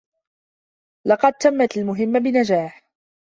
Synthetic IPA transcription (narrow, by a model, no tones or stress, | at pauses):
lɑqɑd̪̚t̪amːat̪almʊɦɪmːabɪnad͡ʒaːħ